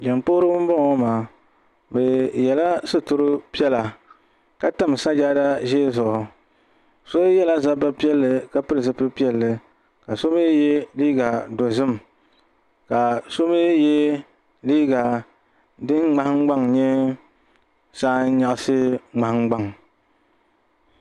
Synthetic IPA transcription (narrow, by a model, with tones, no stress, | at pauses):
d͡ʒɛ˨mpo˦ɾɨ˦bɨ˦m˦bɔ˦ŋɔ˦maː˨˦˨ | bɛ˨jɛ˨la˦sɨ˦tʊ˨ɾɨ˦pi˦ɛ˦la˨ | ka˦ta˦m˨sa˦d͡ʒa˦da˦ʒe˦zʊ˨ʔʊ˨ | so˦jɛ˦la˦za˦ba˦pi˦ɛ˦lːɨ˨ka˦pɨ˦ɾɨ˨zɨ˦pɨ˦pi˦ɛ˦lːɨ˨ | ka˨so˦me˦jɛ˦liː˦ɡa˨do˨zɨ˦m˨ | ka˨so˦me˦jɛ˦ | liː˦ɡa˨ | dɨ˦nŋ͡ma˦hɪ˦ŋ˦ɡ͡ba˦ŋɲɛ˦ | saː˦n˦ɲa˨ʔa˦sɨ˦ŋ͡ma˨hɪ˦ŋ͡mɡ͡ba˦ŋ˨